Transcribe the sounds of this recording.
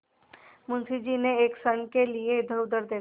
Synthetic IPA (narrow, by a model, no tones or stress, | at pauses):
mʊ̃nsid͡ʒineːksəɳkelieɪd̪ʱəʊd̪əɾd̪eː